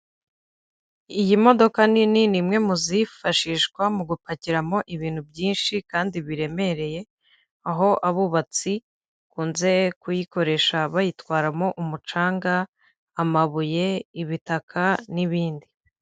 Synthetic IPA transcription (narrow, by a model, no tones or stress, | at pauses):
ijimo̞do̞kanininimŋe̞muzifaʃiːʃkwamuɡupaciɾamo̞ʔiβiːn̥hubjiːnʃikaːndiβiɾe̞me̞ɾe̞je̞ | aɦo̞ʔaβuβat͡si | kuːnze̞kujiko̞ɾe̞ʃaβajitwaːɾamo̞ʔumut͡ʃaːŋɡaː | maβuje̞iβitakʰaniβiːndi